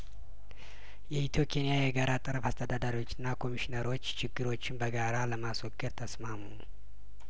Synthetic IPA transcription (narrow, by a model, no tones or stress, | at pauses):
jɛit̪ʰjo̞kʰenijajɛɡaɾat̪ʼɨɾəfast̪ʰəd̪ad̪aɾiwo̞t͡ʃːɪnːakʰo̞miʃinəɾo̞t͡ʃːt͡ʃɪɡːɨɾo̞t͡ʃːɪnbəɡaɾaləmaswɔɡːɨɾt̪ʰəsmamu